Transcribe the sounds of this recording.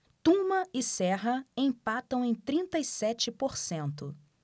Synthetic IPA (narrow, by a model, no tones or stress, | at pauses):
t̪ũmɐɪsɛɦɐẽj̃pat̪ɐ̃w̃ẽj̃t̪ɾĩnt̪ɐisɛt͡ʃɪpoɾsẽnt̪ʊ